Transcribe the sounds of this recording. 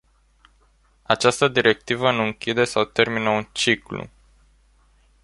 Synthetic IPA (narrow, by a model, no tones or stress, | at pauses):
at͡ʃast̪əd̪iɾe̞k̚t̪ivənuɨŋkʲid̪e̞sawt̪e̞rminəunt͡ʃiklṵ